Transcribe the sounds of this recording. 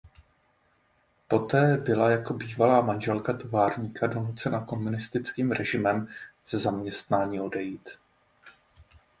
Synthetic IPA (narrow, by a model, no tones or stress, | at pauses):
po̞t̪ɛːbɪlajako̞biːvalaːmanʒɛlkat̪o̞vaːɾɲiːkʰado̞nut͡sɛnako̞munɪst̪ɪt͡skiːmɾɛʒɪmɛmz̥ɛzamɲɛst̪naːɲiːo̞dɛjiːt̪